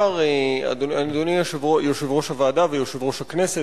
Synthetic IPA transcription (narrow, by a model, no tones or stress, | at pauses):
aʁea̰doand̪onijoʃvojoʃevʁo̞ʃhavaːdavejoʃevʁo̞ʃhakne̞se